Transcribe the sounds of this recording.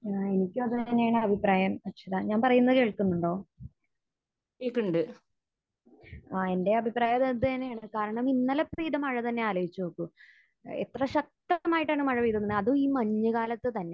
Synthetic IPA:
e̞nikʲːumɐðɨt̪ɐnːejaːɳɨɐbʱipraːjɐmɐkɕiðaɲaːnpɐrɐjunːɐðɨke̞ːɭkːunːuɳɖo̞ː | ikːuɳɖɨ | ae̞nde̞ɐbʱipraːjɐt̪eðd̪ɨɐnːejaːɳɨkaːɾɐɳɐminːɐlɐpriːðɐmɐɻɐt̪ɐnːe̞aːlɐjit͡ɕːunoːkːu | ḛt̪rɐɕɐk̚t̪ɐmaːjiʈːaːɳɨmɐɻɐʋiːd̪ɐnːnɳɨɐðuiːmɐɲːɐkaːlɐt̪ːɨt̪ɐnːe̞

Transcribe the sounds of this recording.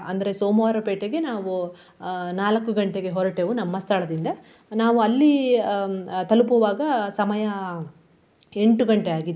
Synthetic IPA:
ɐnd̪ɐɾe̞soːmoːɾɐpeːʈeɡe̞naːʋu | naːlɐkːuɡɐɳʈeɡe̞ɦɔɾɐʈeʋunɐmːɐst̪ʰɐɭɐd̪ind̪ɐ | naːʋuɐlːi | t̪ɐlup̬uʋaːɡɐsɐmɐjɐ | e̞ɳʈuɡɐɳʈeaːɡid̪e

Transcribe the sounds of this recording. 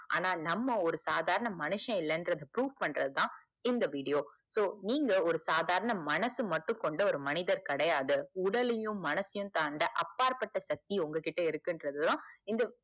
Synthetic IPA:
a̰ːnaːnɐmːɐɔɾɯsaːðaːɾɐnɐmɐnɯʂɐ̃ɪlːɐndɾɐðɯpɾuːʋpɐɳːɾɐðɯt̪ãː | ɪnd̪ɐʋiːɽɪjoː | soːniːŋɡɐɔɾɯsaːðaːɾɐnɐmɐnɐsɯmɐʈːɯ̃kɔɳɖɐɔɾɯmɐnɪðɐɾkɐɽɐjaːðɯʊɽɐlɪjɯ̃ːɐnɐsɪjɯ̃mt̪aːɳɖɐʔɐpːaːɾpɐʈːɐsɐk̚t̪iɔŋɡɐkɪʈːɐɪɾɯkːɯndɾɐðɯlãːɪnd̪ɐ

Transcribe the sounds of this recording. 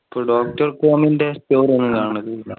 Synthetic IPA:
ipːoːɖoːk̚ʈɐrkoːmindesʈoːɾenːɨkaːɳɐɳɐtːɐɐ

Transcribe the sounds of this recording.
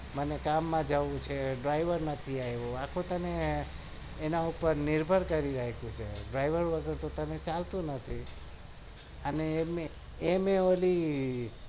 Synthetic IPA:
mənekamːãd͡ʒaʋũt͡ʃʰeɖɾaiʋəɾnət̪ʰiajʋõakʰõt̪əneː | naupəɾnɪɾbʱəɾkəɾiɾəɦekũt͡ʃʰḛɖɾajʋəɾʋəɡəɾt̪ot̪ənet͡ʃalt̪ũnət̪ʰi | ənemeː | meoli

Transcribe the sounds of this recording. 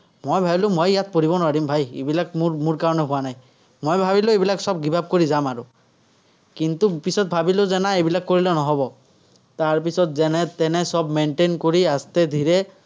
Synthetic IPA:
mɔjbʱajlʊ̃mɔjjat̪̚poɹibɔnʊaɾimbʱajḛbilak̚mmuɹkaɹɔnɛɦʊwanaj | mojbʱabilʊebilaksɔb̚ɡibʱab̚koɹizamaɹu | kint̪upisɔt̪̚bʱabilʊzɛnaebilakːoɹilɔnɔɦɔbɔ | t̪aɹp̬isɔt̪zɛnɛt̪ɛnɛsɔbmenʈenkoɹiast̪ɛd̪ʱiɹɛ

